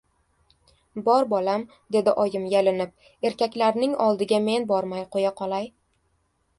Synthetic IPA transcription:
bɒɾbɒlam | d̪e̞d̪ɪʔɒjɪmjelɪnɪp̚ | e̞ɾkʲakʲlaɾnɪŋɒlˠd̪ɪɡʲame̞nbɒɾmajqʰojaqʰɒlˠaj

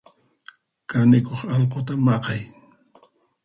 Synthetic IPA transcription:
kanɪkoχɑlqot̪amɑqɑj

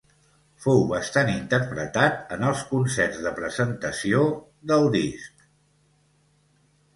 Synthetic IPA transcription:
fɔwβəst̪anint̪əɾpɾət̪at̪ənəlˠskunsɛrzðəpɾəzənt̪əsio | ðəlˠd̪isk

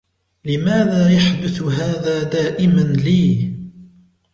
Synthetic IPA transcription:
lɪmaːðaːjaħd̪ʊθɦaːðaːd̪aːʔɪmanliː

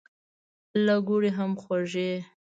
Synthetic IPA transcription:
laɡuɽeɦamxwaʐe

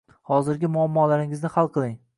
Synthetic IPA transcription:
hɒzɪɾɡʲɪmʊamːɒlaɾɪŋɪznɪhalˠqʰɨlˠɪŋ

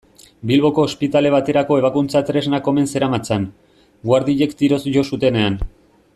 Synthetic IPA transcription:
bilβo̞ko̞ːspit̪ale̞β̞at̪e̞ɾako̞e̞β̞akunt͡sat̪ɾe̞znako̞me̞nse̞ɾamat͡san | ɡwaɾðiʎe̞kt̪iɾo̞sʝo̞sut̪e̞ne̞an

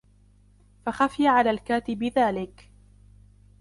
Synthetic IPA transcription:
faxafɪjaʕalaːlkaːt̪ɪbɪðaːlɪk

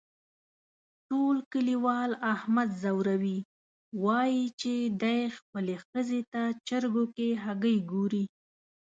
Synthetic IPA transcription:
ʈolkəliwɑlahmad̪zawɾawi | wɑjit͡ʃed̪ajxpəlexəzet̪at͡ʃəɾɡokeɦaɡəjɡoɾi

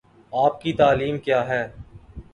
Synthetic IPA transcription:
aːp̚kit̪aːliːmkjaːɦɛː

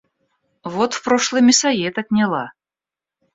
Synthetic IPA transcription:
vot̪fpɾoʂlˠɨjmʲɪsɐjet̪ɐt̪ʲnʲalˠa̰

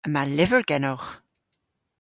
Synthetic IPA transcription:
əmalɪvəɹɡɛnɔwx

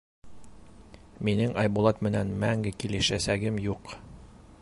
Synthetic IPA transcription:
minɘŋɑjbulˠɑt̪mɘ̆nænmæŋɡɘkilɘ̆ʃæsæɡɘmjuq

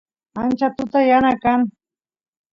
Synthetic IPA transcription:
ant͡ʃat̪ʊt̪ajanakaŋ

